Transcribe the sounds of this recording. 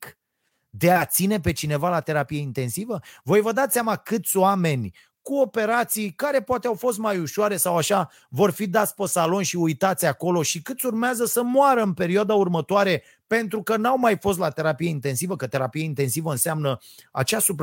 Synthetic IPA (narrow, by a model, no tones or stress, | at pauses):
k | d̪e̞at̪sine̞p̬e̞t͡ʃine̞valat̪e̞ɾapijeint̪e̞nsivəvo̞jvəd̪at̪ssʲamakɨt̪sʲoame̞nʲ | kuo̞pe̞ɾat̪sijkaɾe̞poat̪eawfo̞s̬t̪̚majuʃoaɾe̞sawaʃa | vo̞rfid̪at̪sʲpəsalo̞nʃiujt̪at̪sʲako̞lo̞ʃikɨt̪sʲurmeazəsəmoaɾəɨnpe̞ɾioad̪aurmət̪oaɾe̞ | pe̞nt̪ɾukənawmajfo̞st̪lat̪e̞ɾapije̞int̪e̞nsivəkət̪e̞ɾapijeint̪e̞nsivəɨnsamnə | a̰t͡ʃasup